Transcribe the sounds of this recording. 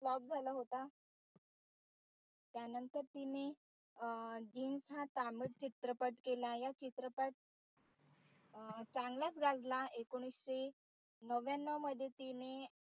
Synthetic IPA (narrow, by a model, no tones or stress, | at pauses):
lɔb̚d͡zʱaləɦot̪a | t̪janənt̪əɾt̪ine | d͡ʑiːnsɦat̪aməʈt͡ɕit̪ɾəpəʈkelajat͡ɕit̪ɾəpəʈ̚ | t͡saŋɡlat͡sɡad͡zlaekoɽ̃isɕe | nəʋjanːəməd̪ʱjet̪ine